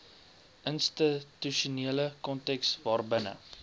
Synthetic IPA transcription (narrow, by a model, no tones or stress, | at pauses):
ʔənstətyʃuniələkɔntɛksvɑːrbənə̰